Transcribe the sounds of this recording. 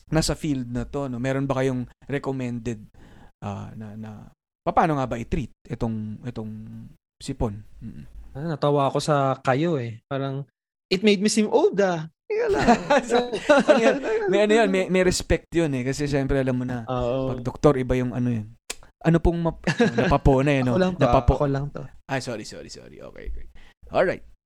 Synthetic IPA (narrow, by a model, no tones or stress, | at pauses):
nasɐfild̪̚nɐt̪o̞no̞mɛːɾo̞nbɐkɐjo̞ŋɾɛkomɛnd̪ɛd̪̚ʔa̰nɐnɐ̰ | pɐpaːno̞ŋabɐʔɪt̪ɾit̪̚ʔɛt̪o̞ŋʔɛt̪o̞ŋ | sɪponm̩ːʔ̩nɐt̪ɐwaːɐkosɐkɐjoɛpaːɾɐŋ | ʔɪt̪̚mejd̪misimʔowd̪ɐ | ɪkɐlasoʔɐnojnmɐjʔɐnojonmɛjmɛjɾɛspɛk̚t̪jonɛkɐsɛʃɛmpɾɛʔɐlamːonɐoʔomɐɡ̚d̪ok̚t̪o̞ɾɪbajʊŋʔɐ̰nojon | ʔɐnopoŋmɐnɐpɐpoːnɐɐnolɐŋnɐpɐpoolɐŋt̪oʔajsoːɾisoːɾiso̰ɾḭʔo̰ːkɛ̰jʔo̰kɛjʔolɹajt̪̚